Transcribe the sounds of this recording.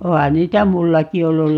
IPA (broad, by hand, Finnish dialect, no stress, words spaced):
ohɑ niːtæ mulːɑki olːul